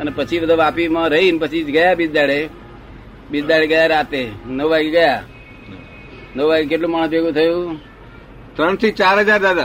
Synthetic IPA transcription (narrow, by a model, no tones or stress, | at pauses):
ənepət͡ʃʰibəd̪ʱuʋapimãɾəɦinpət͡ʃʰid͡ʒɡəjabid͡ʒd̪aɭe | bid͡ʒd̪aɭeɡəjaɾat̪enəʋʋaɡeɡəja | nəʋʋaɡekeʈlũmaɳ̃sbeɡũt̪ʰəjũ | t̪ɾəɳ̃t̪ʰit͡ʃaɾɦəd͡ʒaɾd̪ad̪a